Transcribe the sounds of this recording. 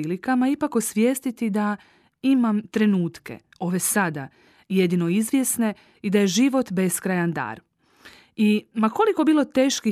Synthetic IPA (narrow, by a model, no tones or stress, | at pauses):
iːlikamaipakosʋje̞ːst̪it̪id̪a | imamt̪ɾe̞nuːt̪ke̞̰ | o̞ːʋe̞sad̪a | je̞d̪ino̞izʋje̞sne̞ | id̪aje̞ʒiʋo̞t̪be̞skɾajand̪a̰ːɾ | imako̞liko̞biːlo̞t̪eːʃki